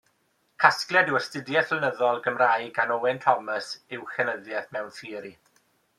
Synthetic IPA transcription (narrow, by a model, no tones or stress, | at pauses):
kʰasklˠjɛdɪwəstɪdjɛθlənəðɔlˠɡəmraːjɡanowɛntʰɔməsɪwxɛnəðjɛθmɛwnθiːɾi